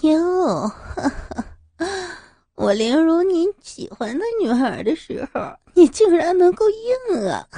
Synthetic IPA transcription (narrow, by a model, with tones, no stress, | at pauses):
n˥˩˧ | wʔɔ˨˩ljɛ˧˥nɻu˧˥ni˧˥nɕḭ˨˩xwa˥nt͡sa˥˩ɪny˨˩ə˞˨˩d̪ə˦ʂɻ̩˧˥xo˧˩ʊni˨˩t͡ɕi˥˩ŋɻa˧˥nnɤ˧˥ŋko˥˧ʊji˥˩ŋə̰˩